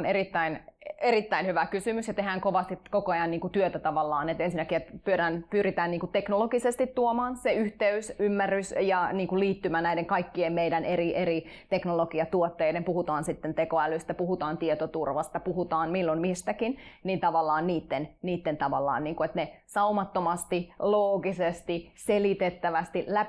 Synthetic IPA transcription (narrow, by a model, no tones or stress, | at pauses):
oneɾit̪ːæineɾit̪ːæinhyʋækysymysjɑt̪eɦæːŋkoʋɑst̪it̪kokoɑjɑnniːŋkut̪yøt̪æt̪ɑʋɑlːɑːnet̪ensinːækiet̪pyøɾæːnpyɾit̪æːnniːŋkut̪eknoloɡisest̪it̪ːuomɑːnseyht̪eysymːærːysjɑniːŋkuliːt̪ːymænæideŋkɑikːiemmeidæneɾiʔeri | t̪eknoloɡ̥iɑt̪uot̪ːeːɾempuhut̪ɑːnsit̪ːent̪ekoælyst̪æpuhut̪ɑːnt̪iet̪ot̪urʋɑst̪ɑpuhut̪ɑːnmilːommist̪ækinnint̪ɑʋɑlːɑːnniːt̪ːenniːt̪ːent̪ɑʋɑ̰lːɑ̰ːnniːŋkuet̪nesɑumɑt̪ːomɑst̪iloːɡisest̪iselit̪et̪ːæʋæst̪ilæ